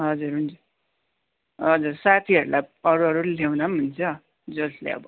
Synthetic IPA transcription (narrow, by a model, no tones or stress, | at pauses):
ɦʌd͡zuɾɦund͡zu | ɦʌd͡zuɾsat̪ʰiʌɾulajʌɾuʌɾulewnamunt͡sʰʌ | d͡zʌslḛʌ̰bʌ